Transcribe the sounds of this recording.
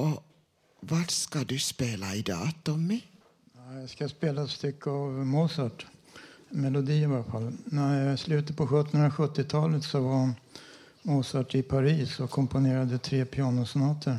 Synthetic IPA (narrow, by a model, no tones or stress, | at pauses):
ʔɔ | vaɾskad̪ɵspeːlaɪd̪ɑ̰ːt̪ɔmɪ | nɛjɑskaspeːlast̪ʏkʰːəavmoːsɑʈ | mɛlʊd̪iːɪvafalːnæɾjɑslʉ̟ːt̪əpʰɔɧɵt̪ːɔnɵnɾaɧɵt̪ːɪt̪ʰɑːlət̪sɔva | moːsɑʈɪpʰaɾiːsɔkʰɔmpʊneːɾad̪ət̪ʰɾeːpʰɪɑːɳʊsnɑːt̪ʰəɾ